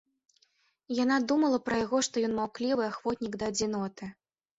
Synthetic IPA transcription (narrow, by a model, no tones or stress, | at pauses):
janad̪umɐlˠɐpɾɐjaɣɔʂt̪ɔjɔnmawklʲivɨaxv̥ɔt̪ʲnʲiɡd̪ɐːd͡zʲinɔt̪ɨ